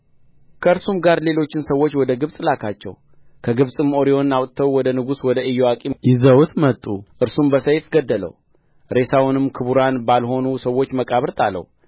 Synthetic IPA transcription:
kʰəɨɾsumɡaɾle̞lo̞t͡ʃːɪnsəwːot͡ʃːwɔd̪əɡɨβsʼlakʰat͡ʃːɛ̰w | kʰəɡɨβsʼɨmo̞ɾio̞nːawt̪ʼt̪ʰəwwɔd̪ənɨɡuswɔd̪əɨjːoakʼijɪzəwt̪mət̪ʼːuʔɨɾsumbəsəjfɡəd̪ːələ̰w | ɾe̞sawnɨmkʰɨβuɾanbalho̞nusəwːo̞t͡ʃːməkʼaβɾt̪ʼalːə̰w

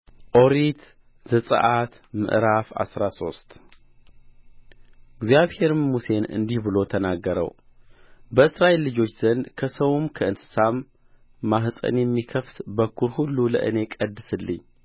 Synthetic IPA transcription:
ʔo̞ɾit̪ | zəsʼə̰ʔat̪ | mɨ̰ʔɾafa̰sɾaso̞̰st̪ʼ | ɨɡzijaβhe̞ɾmuse̞nɨ̰nd̪ihbɨlo̞t̪ʰənaɡːəɾə̰w | bəɨsɾaelːɨd͡ʒo̞t͡ʃːz̥ənkʰəsəwumkʰəɨnsɨ̥samː | aɦsʼə̰njɛmːikʰəft̪bəkʰːuɾhulːulə̰ʔɨ̰ne̞kʼəd̪ːɨsɨlːɨ̰ɲː

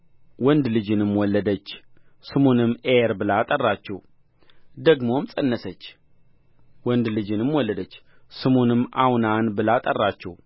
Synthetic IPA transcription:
wɔnd̪lɨd͡ʒɨnɨmwɔlːəd̪ət͡ʃː | sɨmonɨmːʔeɾbɨlat̪ʼərːat͡ʃːɛw | d̪əɡmo̞mt͡sʼɨnːəsət͡ʃː | wɔnd̪lɨd͡ʒɨnɨmwɔlːəd̪ət͡ʃː | sɨmonɨmːʔawnanbɨlat̪ʼərːat͡ʃːɛw

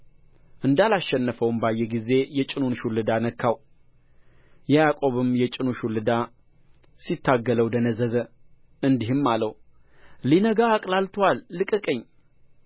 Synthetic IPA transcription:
ʔɨnd̪alaʃɛnːəfəwɨmbajːɛɡize̞jɛt͡ʃʼɪnunʃulːɨd̪anəkʰːaw | jɛjakʼo̞βɨmjɛt͡ʃʼɪnuʃulːɨd̪a | sit̪ʰːaɡːələwd̪ənəzəzə | ʔɨnd̪iɦɨmːalːəw | linəɡaːkʼlalt̪ʰwalːɨkʼɨkʼɨɲː

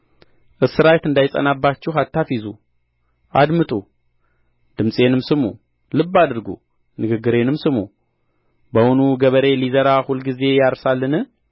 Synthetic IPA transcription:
ʔɨsɨɾajt̪ɨnd̪ajsʼə̰nabːat͡ʃːɛɦat̪ʰːafizu | ʔa̰d̪mɨt̪ʼu | d̪̥ɨmsʼe̞nɨmsɨmṵ | lɨbːad̪ɨɾɡṵ | nɨɡɨɡːɨɾe̞nɨmsɨmṵ | bəwʊnuɡəβəɾe̞lizəɾahulɡize̞jaɾsalːɨnɨ

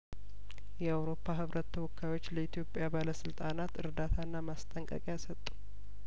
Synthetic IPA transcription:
jɛawɾo̞pʰːaɦɨβɾʔət̪ʰːəwɔkʰːajwo̞t͡ʃːləit̪ʰjo̞pʼjabaləsɨlt̪ʼanat̪ɨɾd̪at̪ʰaɨnːamast̪ʼəŋkʼə̰kʼasət̪ʼːu̥

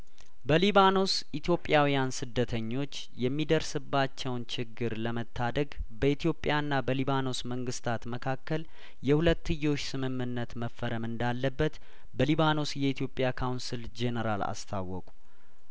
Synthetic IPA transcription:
bəliβano̞sʔit̪ʰjo̞pʼːjawijansɨd̪ːət̪ʰəɲːo̞t͡ʃː | jɛmːid̪əɾsɨbːat͡ʃːɛwnt͡ʃɪɡːɨɾləmət̪ʰːad̪əɡ | bəit̪ʰjo̞pʼːjanːabəliβano̞sməŋɡɨst̪ʰat̪məkʰakːəl | jɛhulət̪ːɨjːo̞t͡ʃːsɨmɨmːɨnːət̪məfːəɾəmɨnd̪alːəbːət̪ | bəliβano̞sjɛit̪ʰjo̞pʼjakʰawnsild͡ʒe̞nəɾala̰st̪ʰa̰wːɔkʼu̥

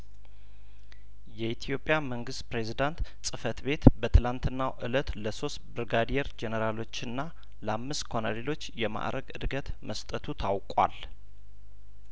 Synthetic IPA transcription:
jɛit̪ʰijo̞pʼjaməŋɡɨst̪pɾe̞zid̪ant̪sʼɨfət̪be̞t̪bət̪ʰɨlant̪ʰɨnːaʔɨ̰lət̪ləso̞st̪bɨɾɡad̪ijɛɾd͡ʒɛnəɾalo̞t͡ʃːɨnːa | lamːɨskʰonalelo̞t͡ʃːjɛma̰ʔɾʔəɡɨ̰d̪ɡət̪məst̪ʼət̪ʰut̪ʰawkʼwa̰l

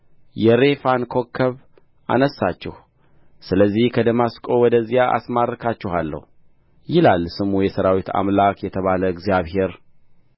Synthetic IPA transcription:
jɛɾe̞fankʰokʰːəβ | ʔa̰nəsːat͡ʃːɛh | sɨləzːihkʰəd̪əmaskʼo̞wɔd̪əzːijaʔa̰smarːəkʰat͡ʃːɪhalːə̰hu | jɪlalːsɨmujɛsəɾawit̪ʰa̰mlakjɛt̪ʰəβaləɨɡzijaβhe̞ɾ

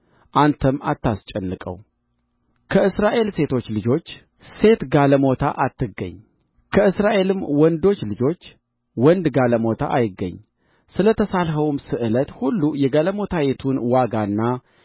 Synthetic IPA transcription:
ʔant̪ʰəmːat̪ʰːast͡ʃʼɛnːɨkʼə̰w | kʰəɨsɾaʔe̞lse̞t̪ʰo̞t͡ʃːlɨd͡ʒo̞t͡ʃː | se̞t̪ɡaləmot̪ʰa̰ʔat̪ːɨɡːə̰ɲː | kʰəɨsɾaʔe̞lɨmwɔnd̪o̞t͡ʃːlɨd͡ʒo̞t͡ʃː | wɔnd̪ɡaləmo̞t̪ʰa̰ʔajɪɡːə̰ɲː | sɨlət̪ʰəsalɦəwmsɨʔɨlət̪hulːujɛɡaləmo̞t̪ʰajet̪ʰunwaɡanːa

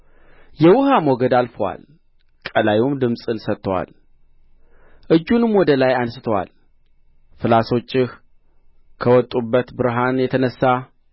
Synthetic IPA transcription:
jɛwʊhamoɡəd̪alfəwa̰l | kʼəlajumd̪ɨmsʼɨnsət̪ːəwa̰l | ʔɨd͡ʒːunɨmwɔd̪əlajansɨ̥t̪ʰəwa̰l | fɨlaso̞t͡ʃʼːɪh | kʰəwɔt̪ʼubːət̪bɨɾɦanjɛt̪ʰənəsːa

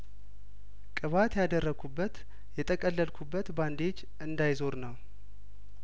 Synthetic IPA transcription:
kʼɨβat̪jad̪ərːəɡʰubːət̪ | jɛt̪ʼəkʼəlːəlkʰubːət̪band̪e̞d͡ʒ | ɨnd̪ajzo̞ɾnəw

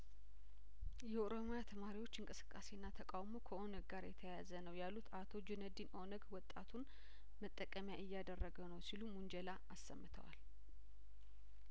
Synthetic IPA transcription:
jɛʔoɾo̞mojat̪ʰəmaɾiwo̞t͡ʃːɨŋkʼɨsɨ̥kʼːase̞nːat̪ʰəkʼawmokʰəʔo̞nəɡɡaɾjɛt̪ʰəjazənəwjalut̪at̪ʰo̞d͡ʒunəd̪inʔo̞nəɡwɔt̪ʼːat̪ʰun | mət̪ʼːəkʼəmjaʔɨjːad̪ərːəɡəwnəwsilumund͡ʒɛlaasːəmːɨt̪ʰə̰wa̰l

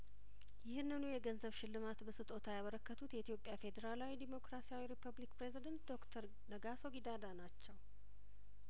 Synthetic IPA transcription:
jɪhɨnːɨnujɛɡənzəβʃɪlːɨmat̪bəsɨt̪ʼo̞t̪ʰajaβəɾəkːət̪ʰut̪jɛit̪jo̞pʼjafe̞d̪əɾalawid̪emo̞kɾasijawiɾipʰəβlikpɾe̞zid̪ənt̪d̪o̞kt̪ʰəɾ | nəɡaso̞ɡid̪ad̪anat͡ʃːɛw

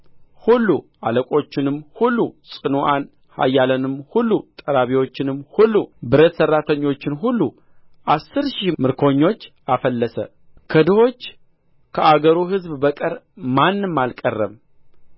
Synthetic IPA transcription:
hulːuʔaləkʼo̞t͡ʃːɪnɨmhulːusʼɨnoʔan | ha̰jːalənɨmhulːut̪ʼəɾaβiwo̞t͡ʃːɪnɨmːhulːubɨɾət̪sərːat̪ʰəɲːo̞t͡ʃːɪnɦulːu | ʔasːɨɾʃimɨɾkʰo̞ɲːo̞t͡ʃː | afəlːəsə̰ | kʰəd̪ɨho̞t͡ʃː | kʰəʔaɡəɾuɦɨzbbəkʼəɾ | manːɨmːalkʼərːəβ

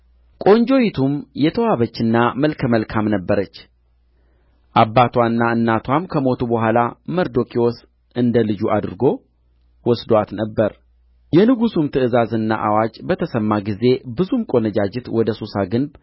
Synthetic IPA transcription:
kʼo̞ɲd͡ʒo̞jit̪ʰumjɛt̪ʰəwaβət͡ʃːɨnːaməlkʰəməlkʰamnəbːəɾət͡ʃː | ʔabːat̪ʰwanːaɨnːat̪ʰwamkʰəmo̞t̪ʰubəɦʷalaməɾd̪o̞kʰʼiwos | ʔɨnd̪əlɨd͡ʒuʔad̪ɨɾɨɡo̞ | wɔsd̪oat̪nəbːəɾ | jɛnɨɡusumt̪ʰɨɨzazɨnːa̰ʔawad͡ʒbət̪ʰəsəmːaɡize̞bɨzumkʼonəd͡ʒad͡ʒɪt̪wɔd̪əsosaɡɨnb

